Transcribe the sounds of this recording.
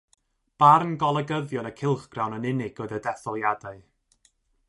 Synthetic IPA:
b̥aɾnɡɔlˠəɡəðjɔnəkʰɪlˠχɡ̥rawnənɪnɪɡ̥ɔɨðədɛθɔlˠjadaɨ

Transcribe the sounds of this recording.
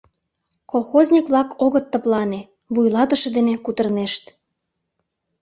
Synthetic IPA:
kolˠxozʲnʲikβlɑkʰoɣət̪ːə̆plɑne | βujlɑt̪əʃĕd̪enekud̪ərneʃt̪

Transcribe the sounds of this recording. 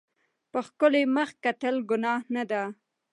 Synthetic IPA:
pəxkʊleməxkat̪əlɡʊnɑhnad̪a

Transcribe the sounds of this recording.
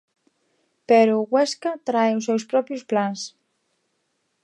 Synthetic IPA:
pɛɾʊɣwɛskat̪ɾaeʊsːewspɾɔpɾjʊsplans

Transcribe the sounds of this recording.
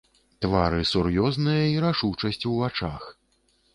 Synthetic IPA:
t̪vaɾɨsurjɔznɨjɐiɾaʂut͡ʂɐsʲt͡sʲwvat͡ʂax

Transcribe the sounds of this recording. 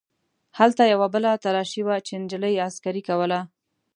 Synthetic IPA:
halt̪ajawabəlat̪alɑʃiwat͡ʃend͡ʒələjaskaɾikawəla

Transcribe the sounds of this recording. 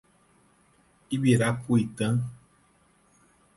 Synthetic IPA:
ibiɾapuitə̃ŋ

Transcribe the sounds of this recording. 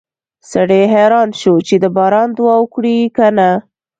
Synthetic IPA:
saɽeɦaɾɑnʃot͡ʃed̪əbɑɾɑnd̪wɑwəkɽikana

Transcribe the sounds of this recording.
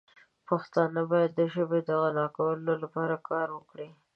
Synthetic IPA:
paxt̪ɑnəbɑjad̪ːəʒəbed̪əɣalɑkawəloolapɑɾakʰɑɾwəkɽi

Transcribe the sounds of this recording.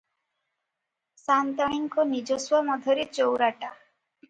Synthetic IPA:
sant̪aɽ̃iŋkɔnid͡ʒɔswamɔd̪ʱɔɾit͡ʃowɾaʈa

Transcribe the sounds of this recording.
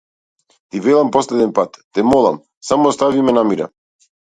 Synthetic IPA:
t̪ivɛlˠampɔslɛd̪ɛnpat̪ːɛmɔlˠam | samɔst̪avimɛnamiɾa̰

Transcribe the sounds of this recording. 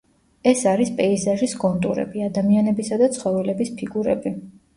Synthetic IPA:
ɛsaɾispʼɛizaʒisɡʼɔnt̪ʼuɾɛ̰biad̪amianɛbisad̪at̪sʰχɔvɛlɛbispʰiɡuɾɛ̰bi

